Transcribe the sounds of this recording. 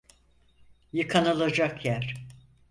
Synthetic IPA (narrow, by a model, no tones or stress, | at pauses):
jɯkʰanalˠad͡ʒakjæɾ̥